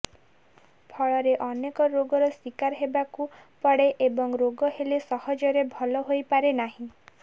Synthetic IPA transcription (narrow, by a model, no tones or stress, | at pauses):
pʰɔɭɔɾeʔɔnekɔɾoɡɔɾɔswikaɾɦebakupɔɽeʔebɔŋɾoɡɔɦelesɔhɔd͡ʒɔɾebʱɔlɔɦojpaɾenaɦĩ